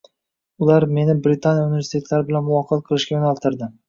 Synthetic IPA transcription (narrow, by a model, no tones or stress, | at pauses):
ʊlaɾme̞nɪbɾɪt̪ʰanijaunɪve̞ɾsi̥t̪ʰe̞t̪ʰlaɾɪbɪlanmʊwɒqʰɨlqʰɨlˠɪʃkʲajonalˠt̪ʰɪɾd̪ɪ